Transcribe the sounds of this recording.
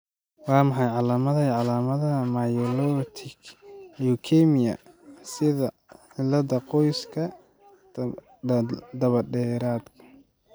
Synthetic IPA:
wɑːmɑħɑjʕɑlaːmɐðɐʕɑlaːmɐðɐɐmajɔlɔt̪ʰɪkukʰɛmɪjɐ̰sɪðɐ | ħɪlɐd̪ɐqɔjskʰɐ | d̪ɐβɐɖɛːɾaːd̪kʰɐ̥

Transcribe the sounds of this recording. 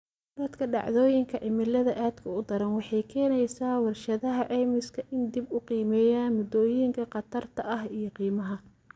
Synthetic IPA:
d̪ɐd̪kʰɐɖɑ̰ʕðɔːjɪŋkʰɐʕɪmɪlɐðɐʔaːd̪kʰɐʊd̪ɐɾɐnwɑħɑjkʰɛːnɛjsaːwɑrʃɐðɐɦɐʕɛːmɪskʰɐʔɪnd̪ɪbʊqiːmɛːjaːnmʊd̪ɔːjɪŋkʰɐqɑt̪ʰɐrt̪ʰɐʔɐɦijɞqiːmɐɦɐ

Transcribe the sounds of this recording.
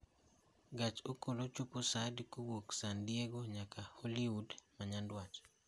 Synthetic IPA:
ɡat͡ʃokolot͡ʃuposadkuwoksandjeɡoɲakaholiwudmaɲandwat͡ʃ

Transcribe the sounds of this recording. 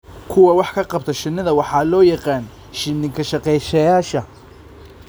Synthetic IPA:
kʰʊwɐwɑħkʰɐqɑbt̪ʰɐʃɪnɐðɐwɑħɑːlɔːjɑqɑːn | ʃɪnɪŋkʰɐʃɑqɛjʃɐjaːʃɐ

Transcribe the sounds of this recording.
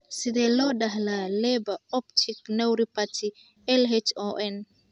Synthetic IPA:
sɪd̪ɛlɔɗaɦlalɛbɐɔptʰiknɛwɾipatʰi | ɛlɦɛt͡ʃɔʔɛn

